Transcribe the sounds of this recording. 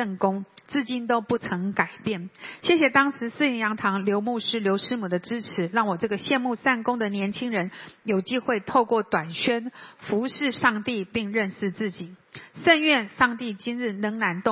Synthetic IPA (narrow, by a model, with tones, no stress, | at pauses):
ə˥˩nkʊ˥ŋt͡sɹ̩˥˧t͡ɕi˥˩nt̪o˥ʊpu˥˩t͡sʰɤ˧˥ŋka˨˩ɪpjɛ˥˩nɕjɛ˥˩ɕjɛ˨˩t̪ɑ˥ŋʂɻ̩˧˥sɹ̩˥˩i˧˥ŋjɑ˧˥ŋt̪ʰɑ˧˥ŋljo˧˥ʊmu˥˩ʂɻ̩˥ljo˧˥ʊʂɻ̩˥mu˨˩d̪ə˦ʈ͡ʂɻ̩˥ʈ͡ʂʰɻ̩˧˥ɻɑ˥˩ŋwɔ˨˩ʈ͡ʂɤ˥˩ɡə˩ɕjɛ˥˧nmu˥˧sa˥˩nkʊ˥ŋd̪ə˨njɛ˧˥nt͡ɕʰi˥ŋɻə˧˥njo˨˩ʊt͡ɕi˥xwe˥˧ɪt̪ʰo˥˧ʊkwɔ˥˩t̪wa˨˩nɕɥɛ˥nfu˧˥ʂɻ̩˥˧ʂɑ˥˧ŋt̪i˥˧pi˥˧ŋɻə˥˧nʂɻ̩˥˧t͡sɹ̩˥˩t͡ɕi˨˩˦ʂə˥˧nɥɛ˥˧nʂɑ˥˧ŋt̪i˥˩t͡ɕi˥nɻɻ̩˥˩nɤ˧˥ŋna˧˥nt̪ʊ˥˨